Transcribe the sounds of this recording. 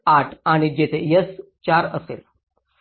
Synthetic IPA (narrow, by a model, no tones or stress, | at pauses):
aʈʰaɽ̃id͡ʑet̪ʰejəs | t͡ɕaɾəsḛl